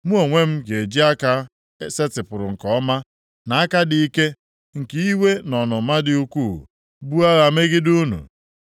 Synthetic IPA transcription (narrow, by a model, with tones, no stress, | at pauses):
mu˦o˨ŋʷe˦m̩˦ɡe˨d͡ʒi˦a˦ka˦ | se˦tɪ˨pʊ˨ɾʊ˨ŋ̩˨kɔ˦ma˦ | na˨a˦ka˦dɪ˨i˦ke˦ | ŋ̩˨ki˦i˦we˦nɔ˨nʊ˨˦ma˦dɪ˦u˦kʷu˦˨ | bu˦a˦ɣa˨me˦ɡɪ˦du˦nṵ˨